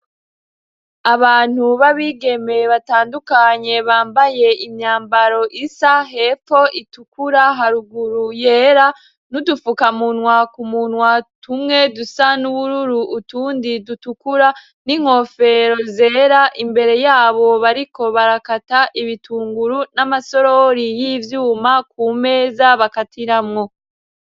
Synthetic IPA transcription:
aβaːn̥huβaβiːɡe̞me̞βataːndukaɲe̞βaːmbaje̞imɲaːmbaɾo̞ʔisaɦe̞ːfo̞itukuɾaɦaɾuɡuɾujeːɾa | nudufukamunwakumunwatumŋe̞dusanuβuɾuɾuʔːtuːndidutukuɾa | niŋ̥ho̞fe̞ɾo̞ze̞ːɾaʔimbe̞ɾe̞jaːβo̞βaɾiko̞βaɾakataʔiβitʰuːŋɡuɾunamaso̞ɾo̞ɾijivjuːmakuːme̞ːzaβakatiɾamŋo̞

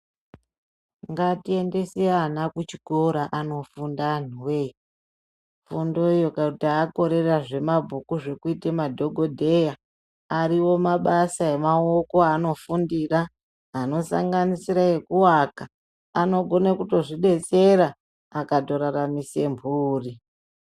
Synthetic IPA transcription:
ŋɡatie̞nde̞sianakut͡ʃiko̞ɾaʔano̞fundan̤uwe | fundo̞jokautiaːko̞ɾe̞raʐe̞mabʱukuʐe̞kuitemadʱo̞ɡʱodʱe̞ja | aɾiwo̞maɓasae̞mao̞ko̞ano̞fundiraː | no̞sa̰ŋɡanisiɾae̞kuwaka | ano̞ɡʱo̞nakuto̞ʐiɓe̞t͡se̞ɾaː | kato̞ɾaramise̞mbʱuːri

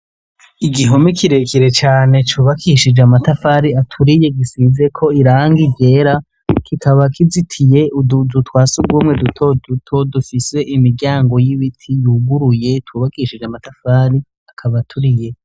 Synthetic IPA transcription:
iɡiɦo̞mikʰiɾe̞kʰiɾe̞t͡ʃaːne̞t͡ʃuβakʰiʃid͡ʒamatafaːɾiatʰuɾije̞ɡisize̞kʰo̞iɾaːŋɡivje̞ːɾa | kʰikʰaβakʰizitʰije̞uuzutwaːsuɡuːmŋe̞dutʰodutʰo̞dufise̞ʔimiɾɟaːŋɡo̞jiβitʰijuːɡuɾuje̞twuːβakiʃid͡ʒamatafaːɾi | akʰaβatʰuɾije̞

